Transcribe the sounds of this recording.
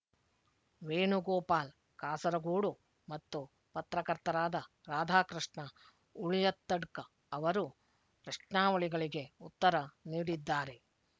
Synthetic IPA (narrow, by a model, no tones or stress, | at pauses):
ʋeːɳuɡɔːpaːl | kaːsɐɾɐɡuːɽu | mɐt̪ːu | pɐt̪ɾɐkɐɾt̪ɐɾaːd̪ɐ | ɾaːd̪ʱaːkɾiʂɳɐ | uɭijɐt̪ːɐɽkɐː | ʋɐɾu | pɾɐʂnaːʋɐɭiɡɐɭiɡe̞ut̪ːɐɾɐniːɽid̪ːaːɾe̞